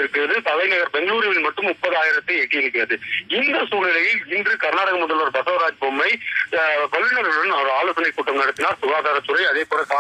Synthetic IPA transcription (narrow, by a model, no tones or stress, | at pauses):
ɪɾɯkːɪɾɐðɯt̪ɐlɐɪnɐɣɐɾbɛŋɡɐɭuːɾɪjɐʋɪlmɐʈːɯmʊpːɐðaːjɪɾɐt̪ːɯɛʈːɯjɪɾɯk̬ːɪɾɐðɯɪnd̪ɐsuːɣɪlɐjɪlɪndrɯkɐɾnaːɽɐɣɐmʊðɐlʋɐɾbɐsɐʋɾaːd͡ʒbɔmːɐɪ | pɐlʋɪnɐɾɯɽɐnɐɾaːloːsɐnɐɪkːuːʈːɐmnɐɽɯt̪ːɪnaːɾsʊɣaːðaːɾɐt͡ʃʊɾɐɪɐðeːpoːlɐka